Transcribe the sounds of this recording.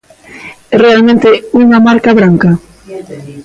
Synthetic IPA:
ɛrealmẽnt̪euŋamaɾkaβɾaŋka

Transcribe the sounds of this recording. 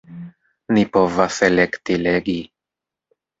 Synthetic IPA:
nipo̞vaselekt̪ileɡi

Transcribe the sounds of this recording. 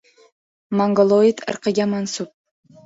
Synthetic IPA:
maŋɡolˠoit̪ə̰ɾqəɡʲamansup̚

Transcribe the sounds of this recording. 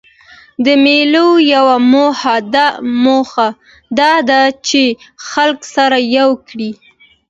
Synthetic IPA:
d̪əmelojawamohad̪amoxa | d̪ɑd̪at͡ʃexalksaɾajawkɽi

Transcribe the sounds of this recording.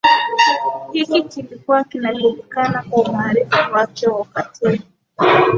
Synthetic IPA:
hikikilikuwakinalumukanakwaumaːɾifuwat͡ʃɛwaukatʰɛɾi

